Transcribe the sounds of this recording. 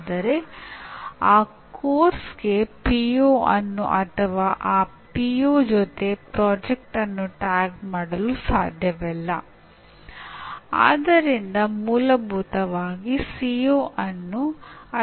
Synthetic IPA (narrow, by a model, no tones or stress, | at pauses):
d̪ɐɾe̞ | aː | koːɾsɡe̞pijoːʔɐnːṵʔɐt̪ʰɐʋaːʔaːpijoːd͡ʒɔt̪e̞pɾɔːd͡ʒek̚ʈɐnːuʈaːɡmaːɽɐlusa̰ːd̪ʱjɐʋɛlːɐ | a̰ːd̪ɐɾind̪ɐmuːlɐbʱuːt̪ɐʋaːɡisijoːʔɐnːuɐ